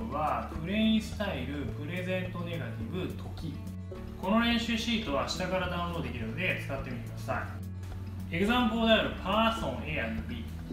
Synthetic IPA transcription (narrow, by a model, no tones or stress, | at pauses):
βapɯ̟ɾe̞ĩsɨ̥t̪aiɾɯ̟pɯ̟ɾe̞zẽ̞nt̪o̞ne̞ɡat̪ʲibɯ̟t̪ʰo̞kʲi | ko̞no̞ɾẽ̞ɰ̃ɕɨːɕiːt̪o̞βaːɕi̥t̪aɡaɾad̪ãɰ̃ɾo̞ːd̪e̞kʲiɾɯ̟no̞d̪e̞t͡sɨ̥kat̪ːe̞mʲinasa̰ḭ | e̞kɯzãmpoːd̪e̞aɾɯ̟pʰaːsõ̞ŋeːamɯ̟bʲiː